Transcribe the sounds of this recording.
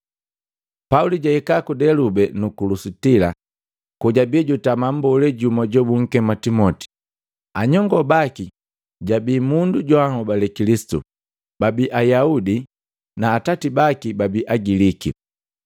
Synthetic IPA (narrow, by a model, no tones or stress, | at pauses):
pauliɟaɛkakudɛlubɛnukulusutila̰ | kuɟabiɟutamam̩bɔlɛɟumɔɟɔbuŋ̩kɛmatimɔti̥ | aɲɔŋɡɔbaki | ɟabiːmunduɟɔahɔbalɛkilisi̥tṵ | babiʔajaudi | naːtatibakibabiʔaɡiliki